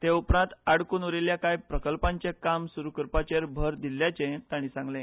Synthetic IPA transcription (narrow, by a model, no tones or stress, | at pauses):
t̪eupɾãnt̪aɽkuːnoɾeljakajpɾəkəlpãɲt͡ɕekamsuɾukəɾpat͡ɕeɾbʱəɾd̪iljat͡ɕẽt̪aɽ̃ĩsãŋɡlẽ